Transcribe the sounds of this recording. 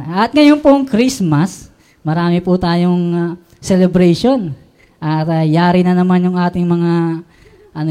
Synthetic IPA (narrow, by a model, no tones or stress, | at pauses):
ʔɐt̪̚ŋɐjonpoŋkɾismɐs | mɐɾaːmɪpʊt̪aːjoŋ | sɛlɛbɾɛjʃon | ʔɐt̪jaːɾɪnɐnɐmanjʊŋʔaːt̪ɪŋmɐŋa | ʔɐno